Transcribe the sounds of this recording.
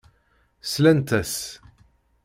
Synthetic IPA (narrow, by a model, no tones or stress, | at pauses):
slænt̪æs